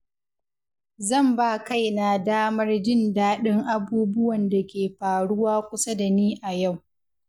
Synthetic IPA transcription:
zɐ˦˨mbaː˦˨ka˦jna˨daː˦mɐ˦rd͡ʒɪ˦ndaː˦ɗɪ˦ŋʔa˨buː˦bʊ˦wɐ˨nda˨kʲeː˨ɸaː˨ɽʊ˦waː˦kʷʊ˦sa˦da˨niː˦ʔa˨ja˦˨w

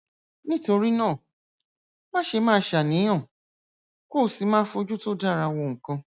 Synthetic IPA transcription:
nĩ˦to˧ɾi˦nãː˦˨ | mã˦ʃe˧mãː˦ʃa˨nĩ˨˦j̃ɔ̃˦˨ | ko˦˨si˧˦mãː˦fo˧d͡ʒu˦to˦da˦˨ɾa˧wɔ̃˧˨ŋ̩˨kã˧

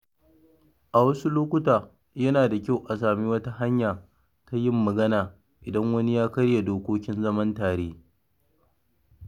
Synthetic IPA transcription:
ʔa˨wɐ˦su˦loː˦kʷʊ˦taː˨ | jɐ˦naː˨da˨kʲa˦wʔa˨s̬aː˨mi˦wɐ˦ta˦ɦa˦ɲjaː˨ | ta˦jɪ˦mːɐ˨ɡɐ˦naː˨ | ʔɪ˨dɐ˦ŋwɐ˦ni˦jaː˦kɐ˦ɽja˨doː˦kʷoː˦kʲɪ˦nzɐ˦mɐ˦ntaː˨ɽeː˦

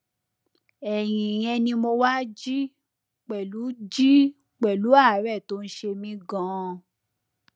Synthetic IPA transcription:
ɛ˨j̃ĩ˨j̃ɛ̃˧nĩ˧mo˧wa˦d͡ʒi˦ | k͡pɛ˨lu˨˦d͡ʒi˦ | k͡pɛ˨lu˨˦a˦˨˦ɾɛ˦˨to˨˦n̩˦ʃe˧mĩ˧˦ɡã˨˦

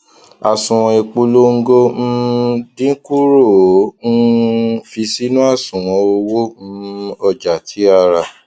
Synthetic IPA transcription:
a˨sũ˨w̃ɔ̃˧e˧k͡po˧lo˦ŋ̩˦ɡo˦n̩˦dĩ˦ku˦ɾo˦˨˦n̩˦fi˧si˦nũ˦a˦˨sũ˨w̃ɔ̃˧o˧wo˦ɔ˧˨d͡ʒa˨tʰi˨˦a˧˨ɾa˨

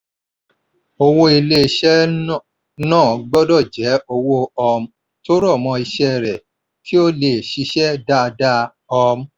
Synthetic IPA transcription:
o˧wo˧i˧le˧˨ʃɛ˦ | nãː˦˨ɡ͡bɔ˦dɔ˦˨d͡ʒɛ˨˦o˧wo˧ɔ˧m˦ | to˦ɾɔ˦˨mɔ̃˧i˧ʃɛ˦˨ɾɛ˨ | ki˨˦o˦le˨ʃi˧˦ʃɛ˦da˦˧da˦ | ɔ˧m˦

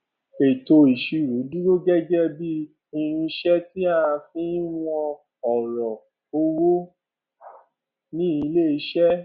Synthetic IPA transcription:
e˨to˧i˨ʃi˧ɾu˨˦di˦ɾo˦ɡɛ˦d͡ʒɛ˦bi˦ | i˧ɾ̃ĩ˧ʃɛ˦ti˦a˦˧ã˧fĩ˦w̃ɔ̃˧ | ɔ˨ɾɔ˨ | o˧wo˦ | nĩ˦i˧le˦˨i˧˦ʃɛ˦

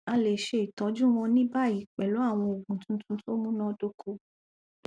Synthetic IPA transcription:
a˧le˨ʃe˧i˨tɔ̃˨˦d͡ʒũ˦w̃ɔ̃˧nĩ˦ba˦˨i˨k͡pɛ˨lo˨˦a˦˨w̃ɔ̃˧o˨ɡũ˨tũ˨˦tũ˦to˦mũ˦nã˦do˧kʰo˧

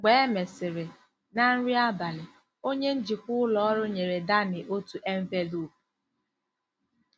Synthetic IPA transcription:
ɡ͡be˨˦e˦me˨sɪ˨ɾe˨ | na˦n̩˦ɾi˦a˦ba˨lɪ˨ | o˦ɲe˦n̩˦d͡ʒi˨kʷʊ˦lɔ˦ɔ˦ɾʊ˦ɲe˨ɾe˨da˦nɪ˨ʔo˦tu˨ʔe˦ɱ̩˦ve˦lu˦˨

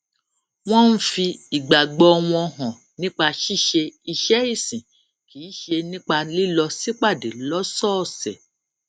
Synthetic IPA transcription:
w̃ɔ̃˦n̩˦fi˧i˨ɡ͡ba˨ɡ͡bɔ˧w̃ɔ̃˧ɔ˧ɦɔ̃˨ | nĩ˦k͡pa˧ʃi˦˨ʃe˧i˧ʃɛ˦i˦˨sĩ˨ | kiː˨˦ʃe˧nĩ˦k͡pa˧li˦lɔ˧si˦k͡pa˦˨de˨lɔ˦sɔ˦˨sɛ̰˨

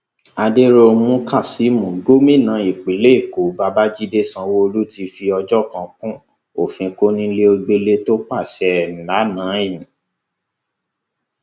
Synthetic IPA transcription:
a˧de˦ɾo˧mũ˦kʰa˦˨si˨˦mũ˨ɡo˦mĩ˦˨nã˨˦i˨k͡pi˨˦le˦i˦˨ko˨˦ba˧ba˦d͡ʒi˦de˦sã˧wo˦o˧lu˦ti˧fi˧ɔ˧d͡ʒɔ˦kã˨˧kũ˦ | o˦˨fĩ˧ko˦nĩ˦le˦o˧ɡ͡be˧le˦to˦k͡pa˦˨ʃɛ˧˦˨ñ̩˨la˨˦nãː˨˦jĩ˨

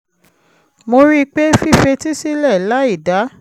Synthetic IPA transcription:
mo˧ɾi˦˧k͡pe˦fi˦˨fe˧ti˦si˦lɛ˦˨la˨˦i˦˨da˨˦

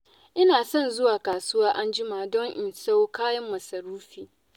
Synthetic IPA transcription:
ʔɪ˦naː˨sɔ˦˨nzʊ˦waː˨kaː˨sʊ˦waː˦ʔa˦nd͡ʒɪ˦maː˨dɔ˦ŋʔɪ˨nsa˦wkaː˦jɐ˦mːɐ˨sɐ˨ɾuː˦ɸiː˨

